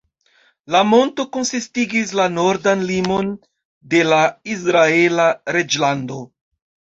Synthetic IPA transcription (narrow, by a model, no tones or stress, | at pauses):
lamo̞nto̞ko̞nsistiɡis̬lano̞ɾdanlimo̞n | de̞lais̬ɾae̞laɾe̞d͡ʒlando̞